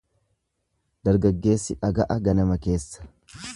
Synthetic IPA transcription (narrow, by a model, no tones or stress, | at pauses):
d̪̥ɐɾɡɐɡːe̞ːsːɪᶑɐɡɐʔɐɡɐnɐmɐke̞ːsːɐ̥